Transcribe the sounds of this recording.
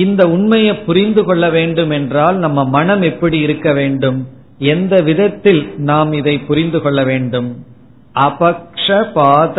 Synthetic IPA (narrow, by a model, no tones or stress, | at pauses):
ɪnd̪ɐʊɳmɐjɐɪpːʊɾɪnd̪ɯkɔɭːɐʋeːɳɖɯmɛndraːlnɐmːɐmɐnɐmɛpːɐɽiɪɾɯkːɐʋeːɳɖɯm | ɛnd̪ɐʋɪðɐt̪ːɪlnaːmɪðɐɪpːʊɾɪnd̪ɯkɔɭːɐʋeːɳɖɯm | ʔɐpɐkʂɐpaːð